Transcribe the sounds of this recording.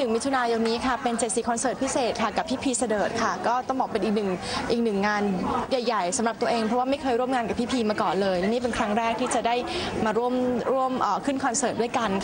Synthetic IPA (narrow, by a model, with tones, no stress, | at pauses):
nɯ˨˩ŋmi˦˥t̪ʰu˧naː˧jo˧niː˦˥kʰa˥˩pe˧nse˨˩t̪̚si˨˩kʰɔ˧nsɤː˨˩t̪̚pʰi˦˥seː˨˩t̪̚kʰa˥˩ka˨˩pʰːiː˥˩pʰiː˧sa˧dɤː˨˩t̪̚kʰa˥˩kɔː˥˩t̪ɔ˥˩ŋbɔː˨˩pe˧nʔiː˨˩k̚nɯ˨˩ŋʔiː˨˩k̚nɯ˨˩ŋːaː˧nja˨˩jːa˨˩jsa˩˦mɾa˨˩p̚t̪u˧ʔeː˧ŋpʰɾɔ˦˥waː˥ma˥˩jkʰɤː˧jɾu˥˩əmŋaː˧nka˨˩pʰiː˥˩pʰiː˧maː˧kɔː˨˩nlɤː˧jlɛ˦˥niː˥˩pe˧nkʰɾa˦˥ŋɾɛː˥˩k̚t̪ʰiː˥˩t͡ɕa˨˩daː˥˩jmaː˧ɾu˥˩əmɾu˥˩əmʔəː˨˩kʰɯ˥˩nkʰɔ˧nsɤː˨˩t̪̚du˥˩əjka˧nk